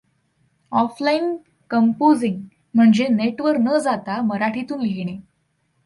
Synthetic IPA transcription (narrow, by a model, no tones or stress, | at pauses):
ɔflain | kəmpod͡ziŋɡ | m̤əɳd͡zeneʈʋəɾnəːd͡zat̪aməɾaʈʰit̪uːnɡʱeɽ̃e